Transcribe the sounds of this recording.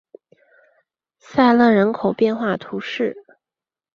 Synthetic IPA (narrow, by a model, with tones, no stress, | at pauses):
sa˥˧ɪlɤ˥˩ɻə˧˥nkʰo˨˩ʊpjɛ˥˧nxwa˥˩t̪ʰu˧˥ʂɻ̩˥˩